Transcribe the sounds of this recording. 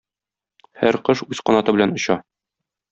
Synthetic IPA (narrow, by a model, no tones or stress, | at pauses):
hæ̰ɾqɤʃuzqɒnɑt̪ɤbɘ̆lænŏɕɑ